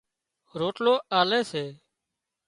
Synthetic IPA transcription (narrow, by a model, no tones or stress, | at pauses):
ɾoːʈloːʔaːleːseː